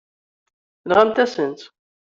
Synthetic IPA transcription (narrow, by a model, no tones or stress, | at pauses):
lʁamt̪æsənt̪